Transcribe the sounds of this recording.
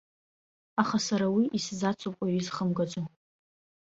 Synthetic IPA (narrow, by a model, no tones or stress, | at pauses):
aχasaɾawiʔiszat͡sʷʰopʷʼaɥizχəmɡad͡zʷʼo